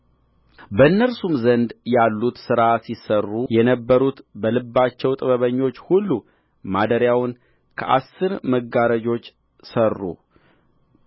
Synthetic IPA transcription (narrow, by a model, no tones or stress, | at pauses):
bəɨnːəɾsumzənd̪jalːut̪sɨɾasisːərːujɛnəbːəɾut̪bəlɨbːat͡ʃːɛwt̪ʼɨβəβəɲːo̞t͡ʃːhulːu | mad̪əɾjawn | kʰəʔa̰sːɨɾməɡaɾəd͡ʒo̞t͡ʃː | sərːṵ